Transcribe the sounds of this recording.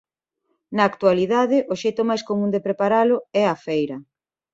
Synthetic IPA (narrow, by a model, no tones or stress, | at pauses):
nɐːkt̪waliðaðɪʔoʃejt̪ʊmajskomũnd̪epɾepaɾalʊɛafejɾɐ